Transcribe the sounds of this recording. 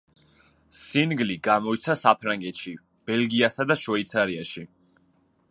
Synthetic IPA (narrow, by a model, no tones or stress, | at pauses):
sinɡliɡamɔit̪sʰasapʰɾaŋɡɛt̪ʃi | b̥ɛlɡiasad̪aʃvɛit̪sʰaɾiaʃi